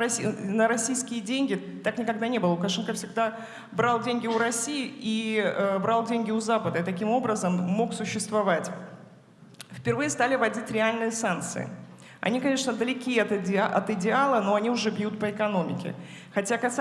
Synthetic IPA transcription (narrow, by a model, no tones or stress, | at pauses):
ɐinəɾɐsʲijskʲɪjədʲenʲɡʲɪt̪aknʲɪkɐɡ̚d̪anʲe̞bɨlˠəlˠʊkɐʂɛnkəfsʲɪɡ̚d̪a | bɾɑlˠdʲenʲɡʲɪʊɾɐsʲijɪʔiəbɾalˠdʲenʲɡʲɪʊzapəd̪əɨt̪ɐkʲimo̞bɾəzəmːo̞ksʊɕːɪst̪vɐvatʲ | fpʲɪrvɨjəst̪alʲɪvɐdʲitʲɾʲɪalʲnɨjəsank̪̚t̪sɨ̰ɪ̰ | ɐ̰nʲikɐnʲe̞ʂnəd̪əlʲɪkʲiɐt̪ʲʔɐ̰t̪ɪdʲɪalˠəno̞ɐnʲiʊʐɛbjut̪̚pəɪkɐno̞mʲɪ̰kʲɪ̰xɐtʲakɐs